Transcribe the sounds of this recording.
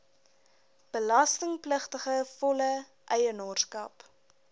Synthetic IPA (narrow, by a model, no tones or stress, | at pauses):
b̥əlɐstəŋpləχtəχəfɔlə | ʔɛjənorskɐ̰p